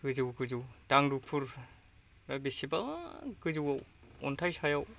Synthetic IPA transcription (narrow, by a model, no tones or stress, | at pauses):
ɡɯzɯwɡɯzɯwdaŋdupʰuɾ | ɾabisibaɡɯzɯwawɔntʰajsʰajaw